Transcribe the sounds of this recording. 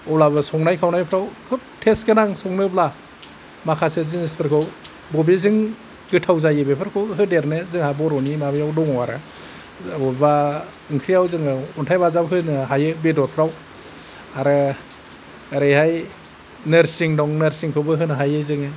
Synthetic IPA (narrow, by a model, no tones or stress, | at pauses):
ɔlabɯsɔŋnajkʰawnajpʰɾawkʰɯp̚tʰeskenaŋsɔŋnɯbla | makʰasɯzɯnispʰɯɾkʰɯw | bɔbezɯŋ | ɡɯtʰawzajɯbepʰɯɾkʰɯwɦɯdeɾnezɯŋhabɔɾɔnimabejawdɔŋɔwaɾa̰ | ɔba | ɯŋkʰɾijawzɯŋɯɔntʰajbazabɦɯnɦajɯbedɔɾ̚pʰɾaw | aɾɯ | ɾejhaj | nɯɾsiŋdɔŋnɯɾsiŋkʰɯwbɯɦɯnɦajɯzɯŋɯ